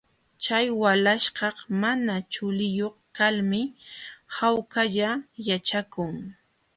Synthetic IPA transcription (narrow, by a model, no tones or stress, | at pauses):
t͡ʃajwalaʃɢɑqmanat͡ʃʊlɪjoχkalmɪ | hawkaʎajat͡ʃakʊŋ